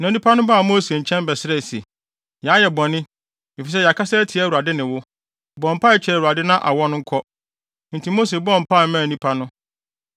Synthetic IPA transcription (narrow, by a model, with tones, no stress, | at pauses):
nã˨nĩ˦pʰa˦nʊ̃˦ba˦˨mo˦se˨ɲ̩˨t͡ɕʰɛ̃˦mbɛ˨sɪ˦ɾɛ˦˨se˨ | ja˨a˦jɛ˨bɔ̃˨nɪ̃˦ | mɪ˨fi˨s̬ɛ˦ja˨kʰa˦sa˦tʰi˨a˦˨u˨a˨dɪ˦nɪ̃˨wʊ˦ | bɔ̃˨m̩˨pʰa˦ɛ˦t͡ɕʰɪ˨ɾɛ˨u˨a˨dɪ˦nã˦ʔa̰˨wɔ̃˦n˦ŋ̩˦kʰɔ˦ | n̩˨tʰi˨mo˦se˨bɔ̃˦˨m̩˨pʰa˦˨˦mã˦˨nĩ˦pʰa˦nʊ̃˦